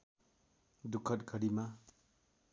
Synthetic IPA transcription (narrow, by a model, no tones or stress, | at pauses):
d̪ukʰːʌt̪ɡʌɾima